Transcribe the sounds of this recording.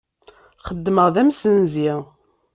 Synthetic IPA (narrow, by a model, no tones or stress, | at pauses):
χəd̪ːməʁðæmsənziʁ